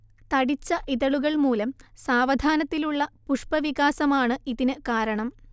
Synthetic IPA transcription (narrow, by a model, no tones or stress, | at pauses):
t̪ɐɽit͡ɕːɐʔiðɐɭuɣɐɭmuːlɐmsaːʋɐd̪ʱaːnɐt̪ːiluɭːɐpuʂpɐʋiɣaːsɐmaːɳɨiðinɨkaːɾɐɳɐm